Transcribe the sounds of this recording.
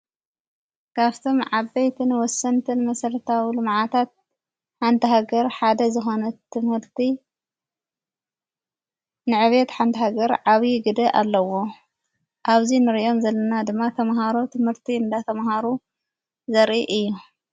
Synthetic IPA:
kʰaft̪ʰo̞mʕabɐjt̪ʰɨnwɔsːɐnt̪ʰɨnmɐsɐɾɐt̪ʰawilɨmʕat̪ʰat̪̚ | ħant̪ʰɐɦaɡɐɾħad̪ɐzɨxo̞nɐt̪ʰːɨmhɨɾt̪ʰi | nɨʕɨβet̪ħant̪ʰɐɦaɡɐɾʕaβiɡɨd̪ɐʔalːɐwo̞ | ʔaβzinɨɾʔo̞mzɐlːɐnad̪ɨmːat̪ʰɐmɦaɾot̪ʰɨmhɨɾt̪ʰiɨnd̪at̪ʰɐmɦaɾu | zɐɾʔiʔɨjːu

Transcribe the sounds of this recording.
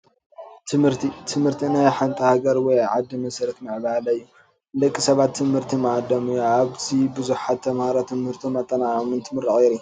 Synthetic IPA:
t̪ʰɨmhɨɾt̪ʰit̪ʰɨmhɨɾt̪ʰinajħant̪ʼɐhaɡɐɾwɔjʕad̪ːimɐsɐɾɐt̪mɨʕbalɐɨjːu | lɐkʼːisɐβat̪ʰːɨmhɨɾt̪ʰimɐd̪ɐmujaβt̪ʰibɨzuħat̪ʰːɐmhaɾat̪ʰɨmhɨɾt̪ʰimɐt̪ʼːɐnamɨnt̪ʰɨmɨɾɨχʼeɾi

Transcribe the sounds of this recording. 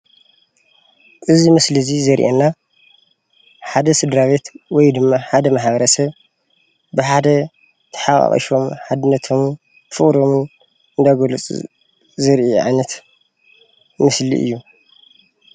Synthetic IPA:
ʔɨzimɨslizizɐɾʔenːa | ħad̪ɐsɨd̪ɾaβe̞t̪wɔjd̪ɨmːaħad̪ɐmaħbɐɾɐsɐβ | bɨħad̪ɐ | t̪ʰɐ̥ħaχʼɐ̰χʼɐ̰ʃo̞mħad̪ɨnːɐt̪ʰo̞m | fɨχʼɾom | ɨnd̪aɡolɨt͡sʼ | zɨɾʔiʕa̰jnɐt̪ | mɨslḭʔɨ̰jːu

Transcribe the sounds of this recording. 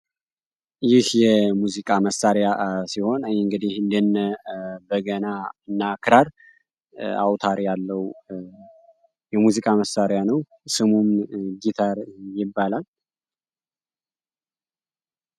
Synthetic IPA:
jɪhjɛmuzikʼaməsːaɾjasiho̞njɨŋɡɨd̪ihɨnd̪ənːəbəɡənaɨnːakʰɨɾaɾ | a̰wt̪ʰaɾjalːəw | jɛmuzikʼaməsːaɾjanəw | sɨmumɡit̪ʰaɾjɪbːalal

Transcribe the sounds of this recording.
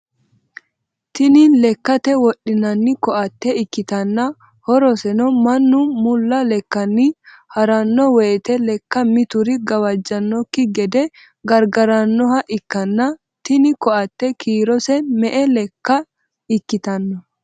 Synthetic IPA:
t̪ɪnɪlɛkːɐt̪ɛwɔɗɪnɐnːɪkɔʔɐt̪ːɛɪkːɪt̪ɐnːɐ | hɔɾɔsɛnɔmɐnːʊmʊlːɐlɛkːɐnːɪ | hɐɾɐnːɔweːt̪ɛlɛkːɐmɪt̪ʊɾɪɡɐwɐd͡ʒːɐnːɔkːɪɡɛd̪ɛ | ɡɐɾɡɐɾɐnːɔhɐʔɪkːɐnːɐ | t̪ɪnɪkɔɐt̪ːɛkʰiːɾɔsɛmɛʔɛlɛkːɐ | ɪkːɪt̪ɐnːɔ

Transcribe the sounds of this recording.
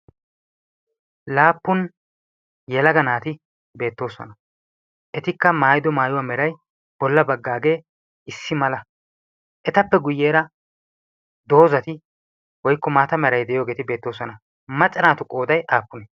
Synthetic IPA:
laːpːʊn | jɛlɐɡɐnaːt̪ɪ | be̞ːt̪ːo̞ːsɔ̰nɐ | ʔɛt̪ɪkːɐmaːjd̪ɔmaːjʊwaːmɛɾɐj | b̥ɔlːɐbɐɡːaːɡe̞ː | ʔɪsːɪmɐlɐ | ʔɛt̪ɐpːɛɡʊjːeːɾɐ | d̪o̞ːzɐt̪ɪ | wɔjkːɔmaːt̪ɐmɛɾɐjd̪ɛjo̞ːɡe̞ːt̪ɪbe̞ːt̪ːo̞ːsɔnɐ | mɐt͡ʃʼːɐnaːt̪ʊkʼo̞ːd̪ɐjʔaːpːʊnɛ

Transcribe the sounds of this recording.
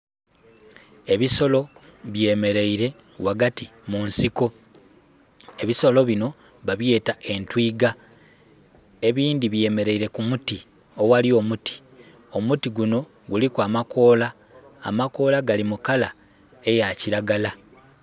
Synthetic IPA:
e̞βiso̞lo̞βje̞me̞ɾe̞iɾe̞ | waɡatimunsiko̞ | e̞βiso̞lo̞βino̞ | βaβje̞ːtaʔe̞ntwiːɡa | e̞βiːndiβje̞me̞ɾe̞iɾe̞kumuti | o̞walio̞muti̥ | o̞mutiɡuno̞ | ɡulikwamako̞la̰ː | mako̞laɡalimukala | e̞jaciɾaɡala

